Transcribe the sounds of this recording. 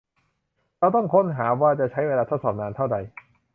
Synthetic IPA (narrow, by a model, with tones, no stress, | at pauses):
ɾa˧wt̪ɔ˥˩ŋkʰo˦˥˨nɦaː˩˦waː˥˩t͡ɕa˨˩t͡ɕʰa˦˥jweː˧laː˧t̪ʰo˦˥t̪̚sɔː˨˩p̚naː˧nt̪ʰa˥˩wda˧j